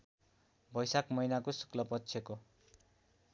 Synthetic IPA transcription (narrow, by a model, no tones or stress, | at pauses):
bʱʌjsakmʌjnakosu̥klʌpʌtːsʰjeko